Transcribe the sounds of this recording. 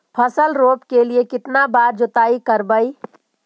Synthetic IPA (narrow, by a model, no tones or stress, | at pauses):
pʰɐsəlɾoːpkeliekɪt̪nabaːɾd͡ʒʊt̪aːikəɾbəi